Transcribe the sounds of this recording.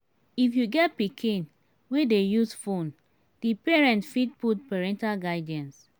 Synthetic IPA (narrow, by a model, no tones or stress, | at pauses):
ifjuɡɛt̚pikʰĩn | wedejusfõn | d̥ipɛɹɛ̃ntfid̚putpɛɹɛ̃ntalɡaɪdɛ̃ns